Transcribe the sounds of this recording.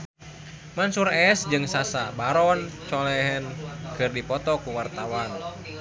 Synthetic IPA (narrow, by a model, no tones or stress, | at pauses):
mansuɾɛsd͡ʒɨŋsasabaɾɔnt͡ʃɔlɛɦɛnkɨrdipɔt̪ɔkuwart̪awan